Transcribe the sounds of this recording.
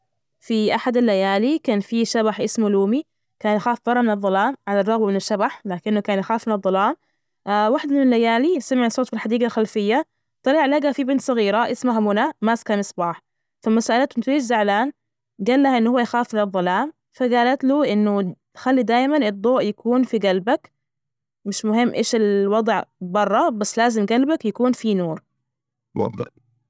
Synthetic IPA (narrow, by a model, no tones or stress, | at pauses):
fiʔaħad̪alːajaːlikaːnfiʃabaħʔɪsmuluːmi | kaːnjaxaːfbɑɾˤːɑmɪnɨðˤːɑlaːmʕalarˤːɑɣwmɪnɪʃːabaħlaːkɪnːʊkaːnjaxaːfmɪnɨðˤːɑlaːm | waħd̪mɪnɪlːajaːlisamɪʕsˤoːt̪bɪlħad̪iːɡalxalfɪjːa | t̪ˤɑliːʕlaɡafibɪnt̪sˤɨɣiːɾaʔɪsmahamʊnamaːskaːnsˤbɑːħ | falmasaːʔɪlat̪ʔɪnt̪ɾiːʃzaʕlaːn | ɡaːlːahaʔɪnːhʊwːajxaːfɪlɑðˤːɑlaːm | faɡaːlat̪luːʔɪnːʊt̪xalːid̪aːjmanɨd̪ˤːoːʔjakʰuːnfiɡalbak | mɪʃmʊhɪmːʔeːʃɪlwɑd̪ˤʕbɑrˤːɑbasːlaːzɪmɡalbakjakuːnfinuːɾ | wɑ̰d̪ˤɨ̰ħ